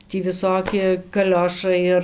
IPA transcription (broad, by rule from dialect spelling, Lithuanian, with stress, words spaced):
tʲiː ʋʲɪˈsoːkʲɪ kɐˈlʲoːʃɐɪ ɪr